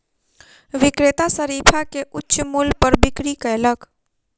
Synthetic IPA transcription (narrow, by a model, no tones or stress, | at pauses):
ʋɪkɾɪt̪asəɾiːpʰakeʔʊtːʃmʊlpəɾbɪkɾikəjlək